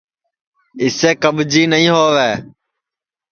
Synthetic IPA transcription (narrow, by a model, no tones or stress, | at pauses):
ɪseːkəbd͡ʒiːnəɦĩːɦoːʋeː